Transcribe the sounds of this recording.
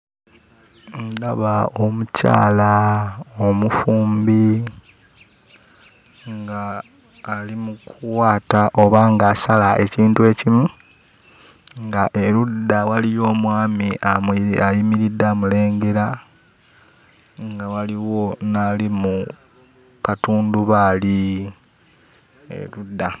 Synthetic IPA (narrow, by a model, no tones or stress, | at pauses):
ndaβaomuca̰ːla | omufuːmbi | ŋɡaː | limukʰuwaːtaʔo̞βaːŋɡaːsalaʔe̞ciːntue̞cimu | ŋɡaʔe̞ɾudːawalijo̞ːmwaːmiʔamajimiɾidːaːmule̞ːŋɡe̞ɾa | ŋɡawaliwo̞nalimu | katuːnduβaːli | ḛludːa